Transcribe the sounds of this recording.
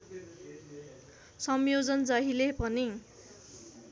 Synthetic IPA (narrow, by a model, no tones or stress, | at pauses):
sʌmjod͡zʌnd͡zʌɦilepʌni